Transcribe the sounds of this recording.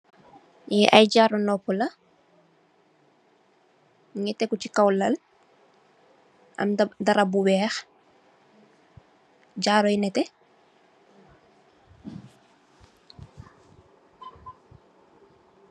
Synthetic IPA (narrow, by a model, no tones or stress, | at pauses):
jɛʔajɟaːɾɔnɔpːɔlɐ | ŋɛtɛkːut͡ʃikawlɐl | ʔɐ̰mdɐɾabuwɛːx | ɟaːɾɔjnɛtɛ